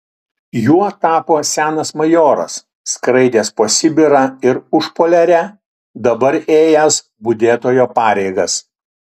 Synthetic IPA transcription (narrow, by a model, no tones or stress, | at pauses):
juɔt̪ɑːpoːsʲæːnɐsmɐjoːɾɐ̰sː | kɾɐɪd̪ʲeːspɐsʲɪbʲɪɾɐɪɾʊʃpoːlʲɛɾʲɛ | d̪ɐbɐɾeːjɛs | bʊd̪ʲeːt̪oːjoːpɑːɾʲɛɪɡɐs